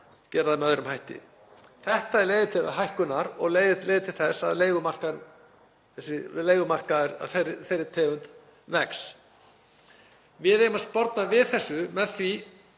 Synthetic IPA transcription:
cɛːɾaðamɛœðɾʏmhajht̪ɪ̰ | θɛht̪aɛɾleːjðɪt̪ʰɪlɦajhkʏnaɾɔɣleːjðɪejðɪt̪ʰɪlθɛsːa̰ðleːjɣʏmar̥kaɾ | θɛsːɪleːjɣʏmar̥kaɛɾa̰ðθeɾɪθejɾɪt̪ʰɛːɣʏnt̪ | nɛks | vɪðejʏmast̪pɔɾt̪navɪðθɛsːʏmɛðθvi

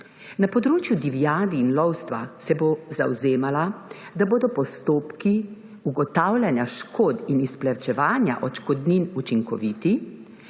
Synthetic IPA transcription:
napɔd̪ɾoːt͡ʃjud̪iʋiaːd̪iːnlɔwst̪ʋasɛboza̰wzeːmalad̪aboːd̪ɔpɔst̪oːpki | uɡɔt̪awlʲjanjaʃkoːd̪inisplɛwt͡ʃɛʋaːnja̰ʔɔt͡ʃkɔd̪ninut͡ʃiŋkɔ̰ʋiːt̪i

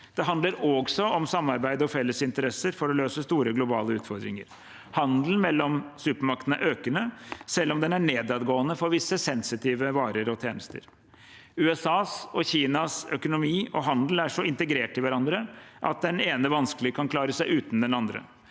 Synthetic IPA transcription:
d̪̥ɛɦɑnd̪ləɾɔɡsɔɔmsɑmːɑɾbæɪd̪ɔfɛlːəsɪnt̪əɾɛsːəɾfɔɾɔløːsəst̪uːɾəɡlʊbɑ̰ːləʉːt̪fɔɾd̪ɾɪ̰ŋə̰ɾ | hɑnd̪l̩n̩mɛlːɔmsʉːpəmɑk̚t̪ənə̰ʔøːkənəsɛlːɔmd̪ɛnæɳeːd̪ɑːd̪ɡoːənəfɔɾʋɪsːəsɛnsɪt̪ʰiːʋəʋɑːɾəɾɔt̪ʰjeːnəst̪ə̰ɾ | ʉːɛsɑːsɔçiːnɑsœkʊnʊmiːɔɦɑnd̪l̩æʂɔɪnt̪əɡɾeːʈɪlʋæɾɑnd̪ɾəʔɑ̰t̪̚d̪ɛneːnəʋɑnsklɪɡəkʰɑnkʰlɑːɾəsæɪʉːt̪n̩d̪ɛnɑnd̪ɾə̰

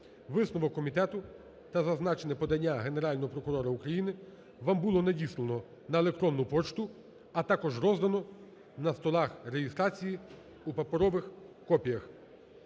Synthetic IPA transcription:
ʋɪsnɔʋɔkːɔmʲit̪ɛt̪ʊ | t̪ɐzɐznɑt͡ʃenɛpɔd̪ɐnʲːaɦe̞ne̞ɾɑlʲnɔɦɔpɾɔkʊɾɔɾɐukɾɐjinɪ | ʋambulˠɔnɐdʲislˠenɔ | nɐelˠek̚t̪ɾɔnːʊpɔt͡ʃt̪ʊ | ɐt̪ɑkɔʒrɔzd̪ɐnɔ | nɐst̪ɔlˠɑxreɦist̪ɾɑt͡sʲiji | upɐpɔɾɔʋɪxkɔpʲijɐx

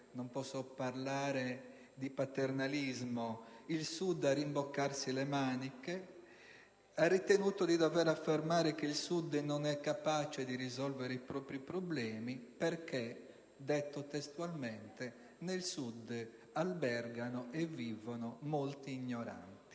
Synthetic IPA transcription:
nompɔsːɔpaɾlaːɾe | d̪ipat̪eɾnalizmoilsud̪arimbɔkːaɾsilɛmaːnike | arːit̪enuːt̪od̪id̪ɔvɛːɾafːeɾmaːɾek̟eilsud̪nɔnɛkːapaːt͡ʃed̪iɾizɔlveɾeipɾɔːpɾipɾoblɛːmipeɾke | d̪ɛt̪ːot̪ɛst̪ualmɛnt̪ɛ | nelsud̪ː | albɛrɡanɔʔɛvːivonɔmolt̪iːɲːɔɾa̰nt̪i̥

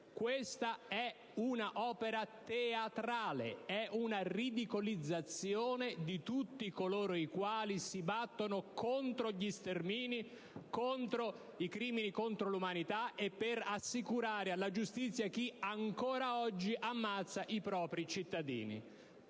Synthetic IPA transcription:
kwest̪aɛ | unaʔɔːpeɾat̪eat̪ɾaːlḛɛʔunarid̪ikolid̪zːat̪sjoːned̪it̪ut̪ːikoloːɾoikwaːlisibat̪ːonokont̪ɾoʎist̪ermiːni | kont̪ɾo | ikɾiːminikont̪ɾolumanit̪aʔepːeɾasːikuɾaːɾealːad͡ʒust̪it̪sːjak̟iaŋkoːɾaɔd͡ʒːiʔamːat̪sːaʔipɾɔːpɾit͡ʃit̪ːad̪ḭːnḭ

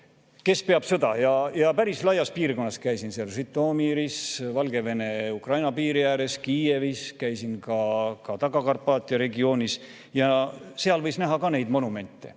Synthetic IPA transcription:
ke̞spe̞ɑb̥sɤ̞d̪̥ɑjɑjɑpæɾislɑjːɑspiːrko̞nːɑskæjsinseɑlsit̪ːˑoːmiɾisvɑlɡ̥e̞ve̞ne̞ukrɑjnɑpiːɾijæːɾe̞skiːeviskæjsinkɑkɑt̪ɑɡɑkɑrpːɑːt̪ʲːˑiɑɾe̞ɡio̞ːnʲis | jɑseɑlvɤjsnæɦɑkɑne̞jd̪mo̞nume̞nʲt̪ˑːe̞̰

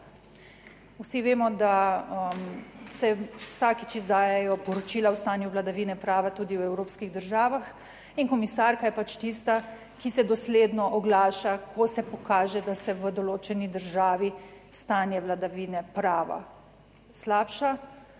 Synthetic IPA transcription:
wsiʋeːmɔd̪amsɛwsaːkit͡ʃizd̪aːjɛjɔpɔɾɔt͡ʃiːlawst̪aːnjuʋlad̪aʋiːnɛpɾaːʋat̪uːd̪iwɛwɾoːpskiɣd̪əɾʒaːʋax | inkɔmisaːɾkajɛpat͡ʃt̪ist̪a | kisɛd̪ɔsleːd̪nɔʔɔɡlaːʃakɔsɛpɔkaːʒɛd̪asɛʋəd̪ɔloːt͡ʃɛnid̪əɾʒaːʋist̪aːnjɛʋlad̪aʋiːnɛpɾaːʋa̰ | slaːpʃa

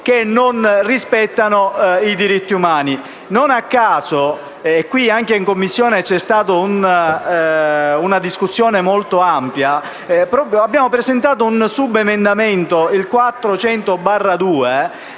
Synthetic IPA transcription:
k̟enːonrispɛt̪ːanoid̪iɾit̪ːiumaːni | nonakːaːso | ekːwiaŋkeiŋkomːisːjɔːnet͡ʃɛst̪aːt̪oun | unad̪iskusːjoːnemolt̪oampja | pɾɔːpɾjoabːjaːmopɾezent̪aːt̪̬ounsubemend̪ament̪oilkwat̪ːɾot͡ʃɛnt̪obarːad̪uːe

